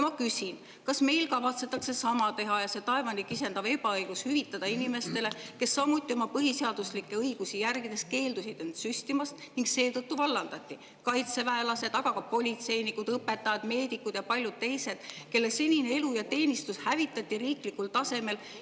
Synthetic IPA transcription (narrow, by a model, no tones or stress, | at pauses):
jmɑkysʲin | kɑsme̞jlkɑvɑt̪se̞t̪ːˑɑkse̞sɑmɑt̪e̞ɦɑjɑse̞t̪ɑe̞vɑnikːˑise̞nd̪ɑve̞bɑɤjɡ̥ushyvit̪ːˑɑd̪̥ɑinime̞st̪e̞le̞ke̞sːɑmut̪ʲːˑio̞mɑpɤɦiseɑd̪̥uslikːe̞ɤjɡ̥usijærɡ̥id̪̥e̞s̚ke̞ːld̪usit̪ent̪sysʲt̪imɑst̪niŋɡse̞ːt̪ɤt̪ːuvɑlːɑnd̪ɑt̪ʲːi | kɑjt̪se̞væelɑse̞d̪̥ɑɡ̥ɑkɑpo̞lʲit̪se̞jnikud̪ɤpːe̞t̪ːˑɑjɑd̪̥me̞ːd̪ikːˑud̪̥jɑpɑlʲjud̥̪̚t̪e̞jse̞d̪̥ke̞lːese̞nʲinee̞lujɑt̪e̞ːnʲist̪ushævit̪ːˑɑt̪ːiriːklikːult̪ɑse̞me̞l